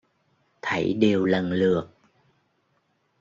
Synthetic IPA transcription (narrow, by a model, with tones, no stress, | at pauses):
t̪ʰə̰˧˩jɗe˨˩wlə˨˩nlɨ˨˩ək̚